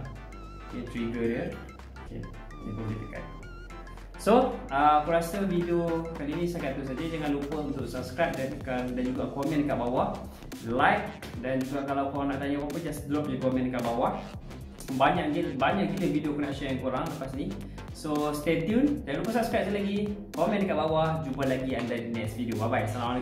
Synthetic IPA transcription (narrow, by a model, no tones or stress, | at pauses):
ket̪ɾiɡəɾər | okḛ | nḭpuŋkḭt̪əka̰t̪̚ | soəpəɾasəvideokalinĩsakat̪us̬ad͡ʒəd͡ʒaŋãnlupəunt̪ʊksapskɾap̚dankadand͡ʒuɡaakɔmɛ̃nkaʔbawah | lajk̚ | dand͡ʒuɡaʔkalawkawanaʔt̪aɲawapəd͡ʒasblɔp̚d͡ʒukɔmɛ̃ndkaʔbawah | baɲaʔɡibaɲaʔɡiləvidiokɔnɛkʃənaŋkuɾaŋləpasni | sost̪etjund͡ʒaŋãnlupəsap̚skɾap̚səlaɡikɔmɛ̃ndkaʔbawad͡ʒubalaɡiandadinɛsvidiobabajsalawa